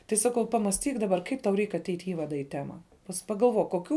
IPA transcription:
tɐɪ ˈsɑːˌkɐʊ ˈpɑːmɐsʲˌtʲiːk dɐˈbɐr ˈkɐɪp tɐʊ rʲɛɪk ɐˈtʲɛɪtʲ ɪ ˈiːʋɐdɐ iː ˈtʲæːmɐ pɐs pɐɡɐlˠˈʋoːk koːˈkʲuː

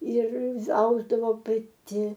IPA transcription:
ˈɪr ˈɐʊzdɐʋoː pɐˈtʲɪ

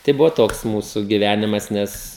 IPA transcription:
tɐɪ ˈbʊʋoː ˈtoːks ˈmuːsʊ ɡʲɪˈʋʲænʲɪmɐs ˈnʲɛs

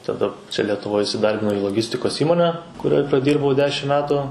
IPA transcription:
tɐˈdɐ ˈt͡ʃʲɛ lʲɛtʊˈʋoːj ɪsʲɪˈdɐrʲbʲɪnɐʊ iː lˠoːˈɡʲɪsʲtʲɪkoːs ˈiːmoːnʲɛ kʊˈrʲoːj prɐˈdʲiːrbɐʊ ˈdʲæːʃʲɪm ˈmʲæːtʊ

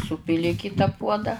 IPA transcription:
ˈsuːpʲɪlʲɪ ɪ ˈkʲɪtɐ ˈpuɔdɐ

